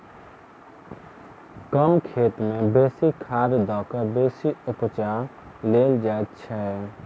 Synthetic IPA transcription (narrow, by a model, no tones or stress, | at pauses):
kəmkʰeːt̪mẽbeːsikʰaːɾd̪ɔːkəbeːsiʊpt͡ʃaːleːld͡ʒaːt̪t͡ʃʰɛɛ